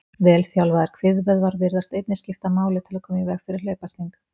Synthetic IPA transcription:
vɛːlθjawlvaðɛɾ̥kʰvɪðvɛðvaɾvɪɾðast̪ejt̪nɪscɪft̪amaːwlɪt̪ʰɪlakʰɔːmivɛɣfɪɾɪɾ̥leːjpast̪iŋk

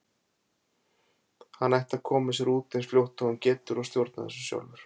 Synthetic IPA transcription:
hanːajht̪ḁkʰɔːmɪsɛɾuːt̪ensfljowht̪ɔʏmcɛːt̪ʏɾɔst̪jowɾt̪na̰ðɛ̰sʏ̥sja̰wlvʏɾ̥

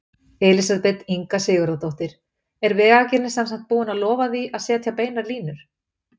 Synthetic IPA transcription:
ɛlɪsaðpɛt̪iŋkasɪːɣaɾowt̪owht̪ɪɾ̥ | ɛɾvɛːɣacɪɾnɪsɛnsaŋ̥t̪̚puːʏnaðlɔːvaðiʔaðsɛːat̪ʰjaːpeːjnaɾliːnʏɾ̥

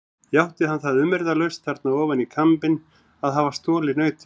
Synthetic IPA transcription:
jawht̪ɪhanθaðʏmːɛɾðalœɥst̪ʰaɾt̪naɔːvanikʰampɪn | aðɦavast̪ɔːlɪnœːɥt̪

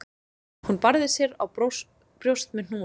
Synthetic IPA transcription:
hunpaɾðɪsjɛɾa̰w | pɾjowst̪mɪn̥uː

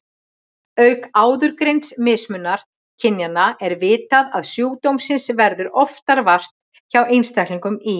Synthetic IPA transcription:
œɥkaːwðʏɾkɾejnt̪smɪsmʏnːaɾ̥ | cʰɪnjanːaɛɾvɪːt̪aðaðsjuːwt̪owmsɪnsvɛɾðʏɾɔft̪aɾvar̥t̪ | çawejnst̪akliŋkʏmi

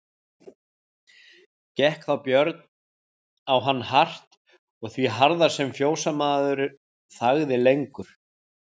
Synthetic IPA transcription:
cɛhkθawpjœɾt̪n | awɦanːhar̥t̪ | ɔɣθviɦaɾðḁsɛmfjoːwsamaːðʏɾʏ | θaɣðɪlejŋkʏɾ̥

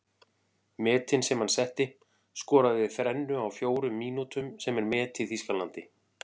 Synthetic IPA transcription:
mɛːt̪ɪnsɛmhansɛht̪ɪ | skɔːɾaðɪðθɾɛnːʏawfjoːwɾʏmːiːnut̪ʏmsɛmɛɾmɛːt̪ʰɪθiskanlant̪ɪ

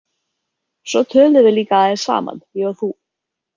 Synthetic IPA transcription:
sɔt̪ʰœːlðɪvɪliːkaaðɪɾ̥sa̰ːma̰njœɣaθu

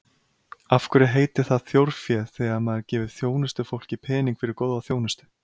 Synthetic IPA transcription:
afkʏɾɛɦeːjt̪ɪθaðθjowɾ̥fjɛlθɛːɣamaðɪɾcɛːvɪðθjoːwnɪst̪ʏfowl̥cɪpʰɛːniŋkfɪɾɪɾkowðvaθjoːwnɪst̪ʏ̥

